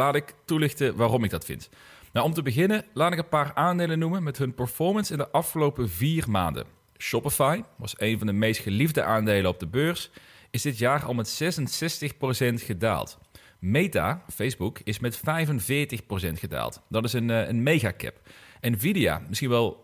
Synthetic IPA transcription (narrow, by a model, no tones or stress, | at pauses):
laːtɪktulɪxtəʋaːrɔmɪɡ̚dɑtfɪ̰nt | nawɔmtəbəɣɪnəlaːtɪkənpaːraːndejlənumənmɛtɦɵnpɛɹfɔɹmənsɪndəʔɑfχəlowpəviːrma̰ːndə̰ | ʃɔpəfajʋɑ̰sejnvɑndəmejstχəlivdəʔaːndejlənɔb̚dəbøːɹs | ɪzdɪtjaːrɑ̰lˠmɛtsɛsənsɛstəχprosɛntχəda̰ːlˠt | mejta̰ːfejzbukɪsmɛtfɛjvənvɪːɹtəxpros̬ɛntχəda̰ːlˠtd̥ɑtɪsənənmejɣaːkɛ̰pɛnvidija̰ːmɪsxinʋɛlˠ